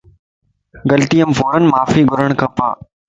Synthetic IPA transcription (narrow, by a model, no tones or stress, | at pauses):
ɡɐlt̪ijəmfoːɾən̆maːfiɡʱʊɾəɽ̃kʰɐpa̰ː